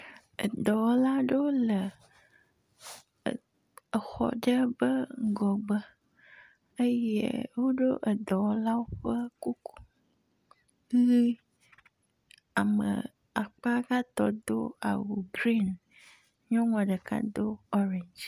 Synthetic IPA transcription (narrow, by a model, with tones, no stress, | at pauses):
ḛ˨d̪ɔ˨wɔ˦la˦ɖe˦wo˦lə˨ | ə˨xɔ̰˨ɖə˦bə˦ŋ˦ɡɔ˨ɡ͡bə˦ | ə˦jḛ˦wo˦ɖo˦ʔə˨d̪ɔ˨wɔ˦la˦wo˦ɸə˦ku˦ku̥˦ | ɣi˦ | a˨mə̰̃˨ | a˨k͡pa˦ɡa˦t̪ɔ˨d̪o˦a̰˨wu˨bɾi˦n | ɲɔ̃˦ŋɔ̃˨ɖə˨ka̰˦d̪o˦ɔ˦ɾe˨ɲd͡ʒ